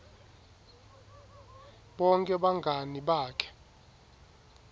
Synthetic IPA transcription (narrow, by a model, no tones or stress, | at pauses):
ɓɔŋkʼɛɓaŋɡʱaniɓaːkʰɛ̥